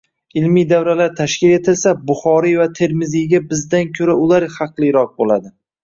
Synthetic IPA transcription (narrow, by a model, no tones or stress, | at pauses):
ɪlmijd̪avɾalaɾt̪ʰaʃkʲɪle̞t̪ʰɪlsabʊχɒɾijvat̪ʰe̞ɾmɪziɡʲabɪzd̪ankʲʰɵɾaʊlaɾχɑqlˠɨjɾɒq̚bolad̪ɪ